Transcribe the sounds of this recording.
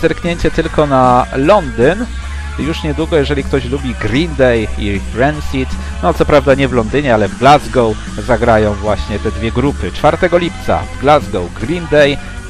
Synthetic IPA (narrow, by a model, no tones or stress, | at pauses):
zɛmkɲeɲt͡ɕɛt̪ɘlkɔnalɔnd̪ɘn | juʂɲɛd̪wuɡɔjɛʐɛlʲik̚t̪ɔɕlubʲiɡɾʲind̪ɛji | ɾɛnsʲit̪ | nɔt̪sɔpɾavd̪aɲɛvlɔnd̪ɘɲɛalɛvɡlazɡɔw | zaɡɾajɔ̃w̃vwaɕɲɛt̪ɛd̪vʲjɛɡɾupɘt͡ʂfaɾt̪ɛɡɔlʲipt̪sa̰vɡlazɡɔwɡɾind̪ɛj